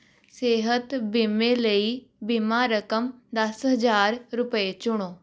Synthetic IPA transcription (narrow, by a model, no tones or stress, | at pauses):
seːɦət̪bimẽːləiːbimaːɾəkəmd̪əsɦəd͡ʒaːɾɾʊpəet͡ʃʊɽ̃oː